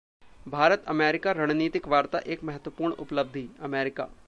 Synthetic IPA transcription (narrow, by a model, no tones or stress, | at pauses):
bʱaːɾət̪əmɛːɾɪkaɾəɽ̃niːt̪ɪkʋaːɾt̪a̰ʔeːkmɛɦət̪ʋəpuːɾɳʊ̰pləb̚d̪ʱiɐmɛːɾɪka̰ː